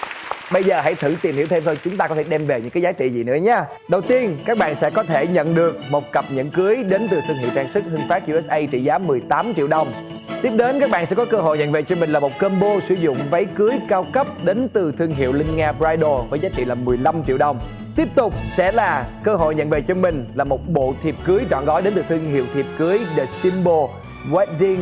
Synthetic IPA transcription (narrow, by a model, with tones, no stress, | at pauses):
ɓə˧jzəː˨˩ɦa̰˧˥jt̪ʰɨ̰˧˩t̪i˨˩mhi˧˩˥wt̪ʰe˧mt̪ʰo˧jt͡ɕʊ˨˦ŋ͡mt̪aː˧kɔ˨˦e˧˩ɗɛ˧mve˨˩ɲɨ̰˧˥ŋkːaː˨˦jzaː˨˦jt͡ɕḭ˧˨zi˨˩nɨ̰˧˥əɲaː˧ | ɗə˨˩wt̪i˧ənkaː˦˥k̚ɓa̰ː˧˨nsɛ̰˧˥kɔ˨˦t̪ʰe˧˩ɲə̰˧˨nɗɨ˨˩ək̚mo˨˩t̚kə˨˩p̚ɲə̰˧˥˨nkɨ˨˦əjɗe˨˦nt̪ɨ˨˩t̪ʰɨ˧əŋɦḭ˧˨wt̪ʰaː˧ŋsɨ˦˥k̚hɨ˧əŋfaː˦˥k̚ʔu˧ɛ˦˥sʔə˧jt͡ɕḭ˧˨zaː˨˦mɨ˨˩əjt̪aː˨˦mt͡ɕḭ˧əwɗə˨˩wŋ͡m | t̪i˦˥əp̚ɗe˨˦nkaː˦˥k̚ɓa̰ː˧˨nsɛ̰˧˥kɔ˨˦kəː˧ɦo̰˧˨ɲə̰˧˨nvḛ˨˧˨t͡ɕɔ˧mï˨˩ŋ̟laː˨˩mo˨˩t̚kəː˧nɓo˧sɨ˧˩zʊ̰˧˨ŋ͡mvə˨˦jkɨ˨˦əjkaː˧wkə˦˥p̚ɗe˨˦nt̪ɨ˨˩t̪ʰɨ˧əŋɦḭ˧˨əwlï˧ŋ̟ŋaː˧pzaː˧jɗo˨˩vəː˨˦jzaː˨˦˥t͡ɕḭ˧˨laː˨˩mɨ˨˩əjla˧mt͡ɕḭ˧əwɗə˨˩wŋ͡m | t̪i˦˥əp̚t̪ʊ˨˩k͡p̚sɛ̰˧˥laː˨˩kəː˧ɦo̰˧˨jɲə̰˧˨nvḛ˨˩t͡ɕɔ˧mï˨˩ŋ̟laː˨˩mo˨˩t̚ɓo̰˧˨t̪ʰi˨˩p̚kɨ˨˦əjt͡ɕɔ̰˧˨nɣɔ˨˦jɗe˨˦nt̪ɨ˨˩t̪ʰɨ˧əŋɦḭ˧˨əwt̪ʰi˨˩əp̚kɨ˨˦əjɗə˨˩si˧mɓo˧ | wɛ˦˥t̚vi˧ŋ